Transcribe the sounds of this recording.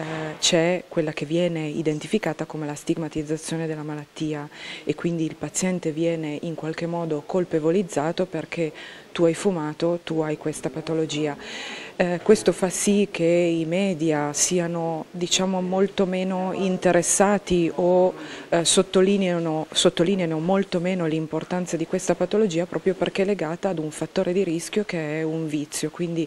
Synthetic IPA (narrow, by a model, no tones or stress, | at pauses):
t͡ʃɛkwelːakevːjɛːneid̪ent̪ifikaːt̪akomelast̪iɡmat̪id̪zːat̪sːjoːned̪elːamalat̪ːiːaekːwind̪iːlpat̪sjɛnt̪evjɛːneʔiŋkwalk̟emːɔːd̪okolpevolid̪zːaːt̪operk̟ʰet̪uajfumaːt̪ot̪uajkwest̪apat̪olod͡ʒiːa | kwest̪ofasikʰeimɛːd̪jasiːanod̪it͡ʃaːmomolt̪omeːnoint̪eɾesːaːt̪io | sot̪ːolinanosot̪ːoliːneanomolt̪omeːnolimport̪ant̪sad̪ikwest̪apat̪olod͡ʒiːapɾʔɔːpɾjoperkeleɡaːt̪aːd̪uɱfat̪ːoːɾed̪iɾiskjokeɛuɱvit̪sːjokwind̪i